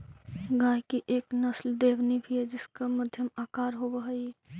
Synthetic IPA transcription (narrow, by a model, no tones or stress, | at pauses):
ɡãjkiʔeːknəsld̪eːbnibʱied͡ʒɪskaməd̪ʱjəmakaːɾɦobəɦəj